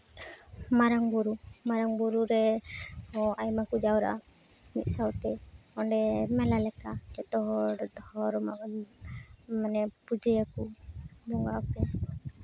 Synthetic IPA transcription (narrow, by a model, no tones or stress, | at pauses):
maɾaŋbuɾumaɾaŋbuɾuɾɛhɔajmakud͡ʒawɾa̰ʔa | mḭt̪̚ˀsawt̪ɛɔɳɖɛmɛlalɛkaɛt̪ɔɦɔɔhɔɾma | manɛpud͡ʒɛjakubɔŋɡaʔkɛ